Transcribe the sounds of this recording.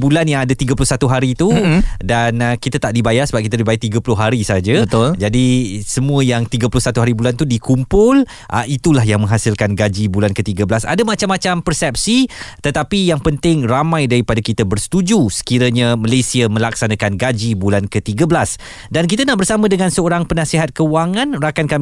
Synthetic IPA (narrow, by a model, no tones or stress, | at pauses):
bulanjaŋadat̪iɡəpulʊhsat̪uɦaɾit̪udanəkit̪at̪aʔdibajasəbap̚kit̪adibajat̪iɡəpulʊɦaɾisad͡ʒəbət̪ʊld͡ʒadisəmũəjaŋt̪iɡəpulʊhsat̪uɦaɾibulant̪udikumpʊl | ʔə̰it̪ulahjaŋmə̃ŋɦasɪlkanɡad͡ʒibulankət̪iɡəbəlasa̰damat͡ʃamːat͡ʃampərsɛp̚sit̪ət̪apijaŋpənt̪ɪŋramãjdaɾipadakit̪abərsə̥t̪ud͡ʒusə̥kiɾəɲãməlesiəmə̃laksanakanɡad͡ʒibulankət̪iɡəbəlas | dank̬it̪anaʔbərsamə̃dəŋansəoɾaŋpənasiɦat̪̚kəwaŋãnrakankam